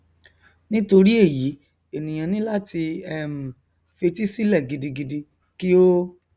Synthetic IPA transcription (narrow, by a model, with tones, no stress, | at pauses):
nĩ˦to˧ɾi˦e˦˨ji˨˦ | e˨nĩ˨j̃ã˨nĩ˦la˦ti˧ɛ˦m̩˨ | fe˧ti˦si˦lɛ˦˨ɡi˧di˧ɡi˧di˧ | ki˦o˦